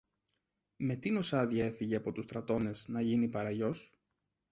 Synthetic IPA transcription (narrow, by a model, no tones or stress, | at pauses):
me̞t̪ino̞sɐðiɐe̞fiʝe̞ɐpo̞t̪ust̪ɾɐt̪o̞ne̞znɐʝinipɐɾɐʝo̞s